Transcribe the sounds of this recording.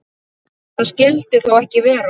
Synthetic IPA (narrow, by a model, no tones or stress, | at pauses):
θaðscɪlt̪ɪθawɛhcɪvɛːɾa